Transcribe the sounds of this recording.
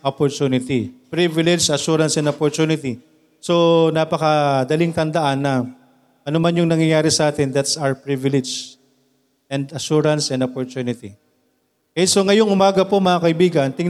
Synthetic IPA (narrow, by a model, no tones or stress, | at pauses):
ʔopoɹt̪uːnɪt̪ipɾivɪlɛd͡ʒɐʃuɾɐnsɛ̃nd̪opoɹt̪uːnɪt̪i | so̞naːpɐkɐd̪ɐlɪŋt̪ɐnd̪ɐʔanːɐ | ʔɐnomanjʊŋnɐŋjɐjaːɾɪsɐʔaːt̪ɪnd̪at̪sawpɹivɪlɛd͡ʒ | ɛnd̪ɐʃuɾɐnsɛ̃nd̪opoɹt̪uːnɪt̪i | kɛso̞ŋɐjoŋʊmaːɡɐpo̞mɐakɐʔɪbiːɡɐnt̪ɪŋ